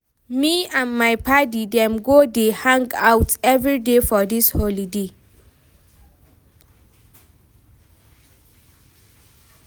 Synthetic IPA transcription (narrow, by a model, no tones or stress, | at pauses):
miãnmajpʰadidɛ̃mɡodehãŋɡawtɛvɹidefɔdisholide